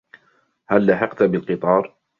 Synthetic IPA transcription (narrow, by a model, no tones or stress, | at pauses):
halːaħɪqt̪abɪlqɨt̪ˤɑːɾˤ